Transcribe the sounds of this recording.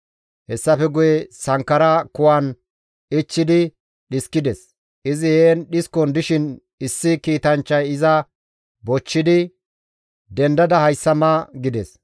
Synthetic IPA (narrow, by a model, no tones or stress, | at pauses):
hɛsːɐfɛɡʊjɛsɐŋkːɐɾɐkʊwɐn | ɪt͡ʃːɪd̪ɪ | ɗɪskːɪd̪ɛs | ʔɪzɪjeːnɗɪskːɔnd̪ɪʃɪn | ɪsːɪkiːt̪ɐnt͡ʃːɐjɪzɐ | bɔt͡ʃːɪd̪ɪ | d̪ɛnd̪ɐd̪ɐhɐjsːɐmɐɡɪd̪ɛs